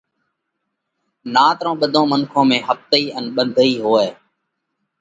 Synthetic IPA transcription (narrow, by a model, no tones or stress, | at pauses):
naːt̪ɾõːɓəd̪ʱõːmənkʰõːmẽːɦəft̪əiːənɓənd̪ʱəiːɦoːeː